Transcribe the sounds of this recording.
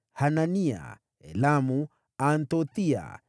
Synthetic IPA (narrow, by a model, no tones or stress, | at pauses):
hanania̰ | ɛ̰lamu | ant̪ot̪ia̰